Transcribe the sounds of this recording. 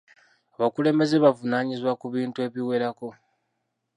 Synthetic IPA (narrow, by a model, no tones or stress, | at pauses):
aβakule̞ːmbe̞ze̞βavunaːɲizwakuβiːntue̞ːβiwe̞ɾako̞